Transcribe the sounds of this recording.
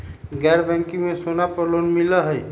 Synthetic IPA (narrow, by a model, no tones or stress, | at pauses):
ɡɛɾbɛ̃ŋkimesonapəɾlonmiləɦəj